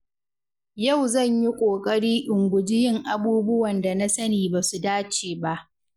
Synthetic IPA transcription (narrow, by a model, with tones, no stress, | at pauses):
ja˦˨wzɐ˦˨ɲji˦kʷʼoː˨kʼɐ˦ɽiː˦ʔʊ˨ŋɡʷʊ˨d͡ʒɪ˦jɪ˦ŋʔa˨buː˦bʊ˦wɐ˨nda˨na˦sɐ˦niː˨baː˨su˨daː˦t͡ʃeː˨ba˦ʔ